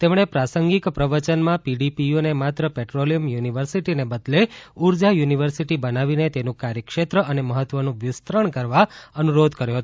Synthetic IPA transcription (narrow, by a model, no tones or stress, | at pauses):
t̪emɳ̃epɾasəŋɡikpɾəʋət͡ʃənmãpiɖipijonemat̪ɾəpeʈɾolijəmjuniʋəɾsiʈinebəd̪leuɾd͡ʒajuniʋəɾsiʈibənaʋinet̪enũkaɾjəkʃet̪ɾəʔəneməɦət̪ʋənũʋjʊst̪ɾəɳkəɾʋaənuɾod̪ʱkəɾjoɦət̪o